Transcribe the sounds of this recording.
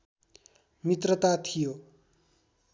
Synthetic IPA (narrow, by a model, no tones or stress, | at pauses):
mit̪rʌt̪at̪ʰijo